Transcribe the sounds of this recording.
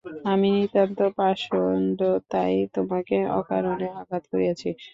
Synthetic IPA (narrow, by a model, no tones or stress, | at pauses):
aminit̪ant̪opaʃond̪ot̪ajt̪omakeɔ̰ka̰ɾoneakat̪koɾiat͡ɕʰi